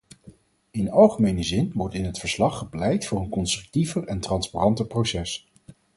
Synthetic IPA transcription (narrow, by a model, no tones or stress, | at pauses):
ɪnɑlˠχəmejnəzɪnʋɔɹtɪnɦətfəɹslɑχːəplɛjtfʊːɹənkɔnstrɵk̚tivərɛntrɑnsparɑntəɹprosɛs